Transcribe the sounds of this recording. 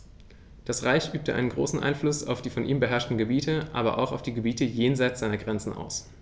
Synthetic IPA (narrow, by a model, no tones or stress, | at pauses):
d̥asʁaɪçʔyːp̚tʰəʔa̰ɪnənɡʁo̰ːsn̩ʔa̰ɪnflʊsa̰ʊfd̥iːfɔnʔḭːmbəɦɛɐʃtn̩ɡəbiːtʰəʔa̰ːbɐ̰ʔa̰ʊxaʊfd̥iːɡəbiːtəjeːnzaɪtt͡sz̥aɪnɐɡʁɛnt͡sn̩ʔa̰ʊs